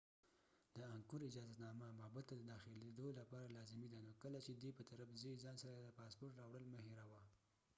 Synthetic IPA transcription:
d̪əaŋkʊɾɪd͡ʒɑzat̪nɑmamabat̪ːad̪əd̪ɑxɪled̪olapɑɾalɑzɪmid̪anokəlat͡ʃed̪wepət̪aɾabzəzɑnsaɾad̪əpɑspoɾʈɾɑwɽəlməheɾawa

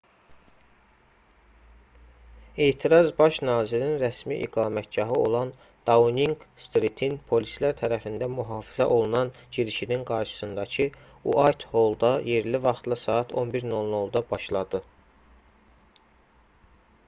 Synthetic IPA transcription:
e̞ːt̪ʰiɾɑzbɑʃnɑːziɾninɾæsmiʔḭɡɑːmæt̪̚ɟɑɦɯo̞lˠɑn | d̪̥ɑuniŋɡst̪ɾit̪ʰinpʰo̞lislæɾt̪ʰæɾæfind̪æmuɦɑːfizæʔo̞lˠunɑnɟiɾiʃininɡɑɾʃɯ̥sɯnd̪ɑcʰɯ | ṵʔɑjt̪ho̞lˠd̪ɑje̞ɾlivɑχt̪lˠɑsɑːɑt̪ʰo̞nbiɾno̞lˠno̞lˠd̪ɑbɑʃlˠɑd̪ɯ

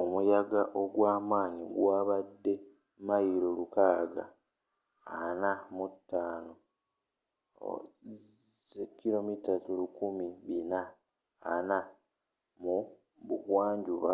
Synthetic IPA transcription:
omujaɡaʔo̞ɡwaːmaːniɡwaːβadːe̞ | majiɾolukaːɡa̰ | anamutːaːno | ekiɾo̞mitatulukumiβinaː | na | mu | βukwaːɲɟuβa̰

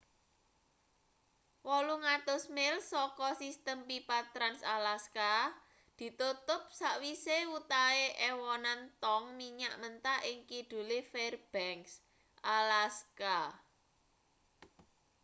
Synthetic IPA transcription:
wɔluŋat̪ʊsmɪlsɔkɔsist̪əmpipat̪ɾansalaska | d̪̥i̤t̪ut̪ʊp̚saʔwisewut̪aeʔewɔnant̪ɔŋmiɲaʔmənt̪aʔɪŋkid̪̥ṳlifɛrb̥ɛŋks | ʔalaska

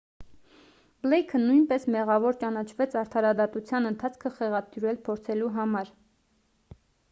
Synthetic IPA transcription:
blɛjkʰənujnpɛsmɛʁɑvɔɾt͡ʃɑnɑt͡ʃʰvɛt͡sʰɑɾt̪ʰɑɾɑd̪ɑt̪ut͡sʰjɑnənt̪ʰɑt͡sʰkʰəχɛʁɑt̪juɾɛlpʰɔɾt͡sʰɛluɦɑmɑɾ

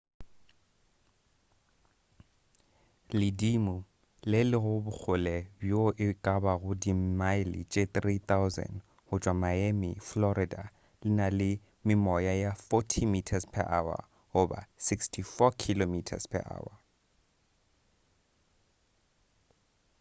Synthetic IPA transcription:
lɪdimu | lɪlɪɣʊbʊk͡xʰʊlɛbjoʔɪkʼabaɣʊdimaɪlḭt͡ʃʼet̪rit̪awzɛ̰n | hʊt͡ʃʼwamaemɪflɔɾɪda̰ | lɪnalɪ | mɪmɔjajafɔtʰimitʰaspʰɛ̰ʔa̰wa̰ | oba̰sikstʰifɔkʰilomitʰa̰spʰɛ̰ʔa̰ːwa

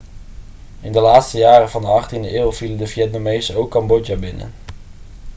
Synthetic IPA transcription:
ɪndəlaːtstəjaːrəvɑndəɑχtindəʔɪːlˠv̥iləndəvjɛtnamejzəowkːɑmbɔd͡ʒabɪnə̰n

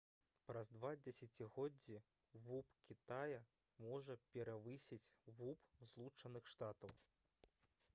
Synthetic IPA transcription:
pɾɐzd̪vad͡zʲɛsʲat͡sʲiɣɔd͡zʲːi | vupkʲit̪ajɐ | mɔʐɐpʲɛɾavɨsʲit͡sʲvupzlˠut͡ʂɐnɨxʂt̪at̪ɐw

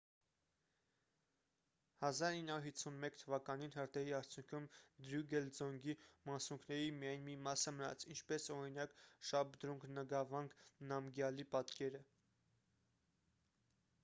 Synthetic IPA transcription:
hɑzɑɾinːəɑuɾhit͡sʰːunmɛkt̪ʰəvɑkɑninɦəɾt̪ʰɛɾiɑɾt͡sʰjuŋkʰumd̪ɾuɡɛld͡zɔŋɡimɑsuŋkʰnɛɾimijɑjnmimɑsəmənɑ̰t͡sʰint͡ʃʰpɛsɔɾinɑkʃɑb̚d̪ɾuŋɡnəɡɑvɑŋɡnɑmɡjɑlipɑt̪kɛɾə

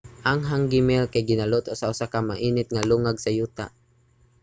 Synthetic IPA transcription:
ʔaŋɦaŋɡɪmɛlkajɡɪnalʊt̪osaʔʊsakamaʔiːnɪt̪̚ŋaluŋaɡsajuːt̪a̰ʔ

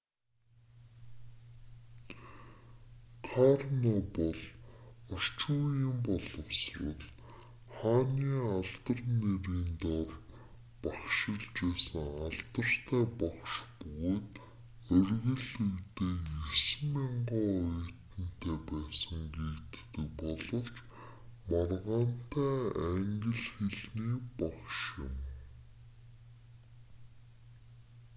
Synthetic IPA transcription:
kʰarnɔpɔɮɔr̥t͡ɕuːjɪ̆mpɔɮɞ̆wsrə̆ɮ | χaːniːaɮt̪ə̆rneɾiːnt̪ɔr | paχʃɪ̆ɮt͡ɕeːsə̆ŋaɮt̪ə̆r̥t̪ʰæːpaχʃpɵɣoːt̪ | œrɣɵ̆ɮujt̪eːesɘ̆maɴɢɔːœjʰt̪ɘ̆n̥t̪ʰæːpæːsə̆ŋɡeːkt̪ːɘ̆k̚pɔɮɞ̆w̥t͡ɕ | marʁaːn̥t̪ʰæːæŋɡʲɪ̆ɮxeɮniːpaχʃjɪ̰̆m

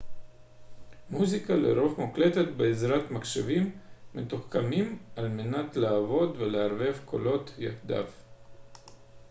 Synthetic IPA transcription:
muzikalḛɾo̞fmukle̞t̪et̪beːzɾat̪makʃavimːet̪uχkamimalmenat̪laːvo̞d̪ve̞leaɾve̞vkʰo̞̰lo̞t̪jaxd̪a̰v

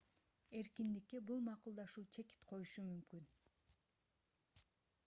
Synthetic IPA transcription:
e̞ɾkind̪ikːebulˠmɑqulˠd̪ɑʃulˠt͡ʃʰe̞ki̥t̪qʰo̞juʃumymkyn

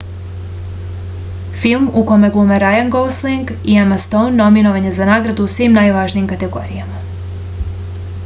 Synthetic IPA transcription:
filˠmukomeɡlˠumeɾajanɡosliŋɡ | iamast̪ownːo̞minoʋaɲe̞zanaːɡɾad̪uːsʋimnajʋaːʒniːmkat̪e̞ɡo̞̰ɾḭama

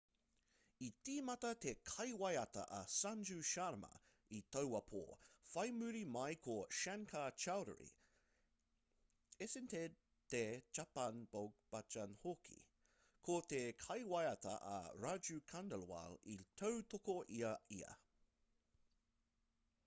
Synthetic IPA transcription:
itiːmɐtɐt̪ekʰɐjwɐjɐtɐ̰ʔɐsand͡ʒʉʃaɾmɐ̰ | itowɐpʰo̰ːfɐjmʉɾimɐjkʰoʃɛnkʰat͡ʃawɾə̰ɾḭ | esɪnted | tet͡ʃapɐnb̥oɡ̚b̥at͡ʃɐnhokʰḭ | kʰotekʰɐjwɐjɐtɐ̰ʔɐ̰ɹad͡ʒukʰandəlwa̰litʰowtokoʔiɐiɐ̰

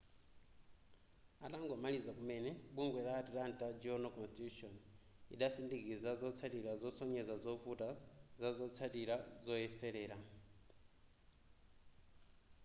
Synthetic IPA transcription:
ataŋɡɔmalizakumɛnɛɓuŋɡwɛɾatiɾantʼad͡ʒiɔnɔkɔnstitutɔn | ḭɗasindikizazɔt͡sʰatiɾazɔsɔɲɛzazɔvutazazɔt͡sʰatiɾazɔɛsɛɾɛːɾa

